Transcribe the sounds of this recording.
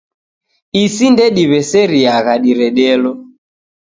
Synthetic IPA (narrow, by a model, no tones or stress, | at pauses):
isindɛɗiβɛsɛɾiaɣaɗiɾɛɗɛlɔ